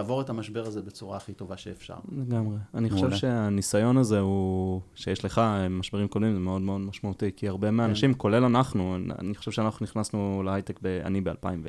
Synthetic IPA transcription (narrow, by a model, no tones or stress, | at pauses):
avo̞ʁetamaʃbe̞ʁazebet͡suʁaχito̞vaʃeːfʃa̰ʁle̞ɡamʁeanioʃevʃe̞anisajo̞naze̞uʃejeʃle̞χamaʃbe̞ʁimkodmimzeme̞o̞dmeo̞d̪maʃmaut̪ikiaʁbe̞meaːnaʃimko̞le̞lanaχnua̰niχo̥ʃe̞vʃeanaχnuniχnasnulehajt̪ekbea̰nibealpa̰imve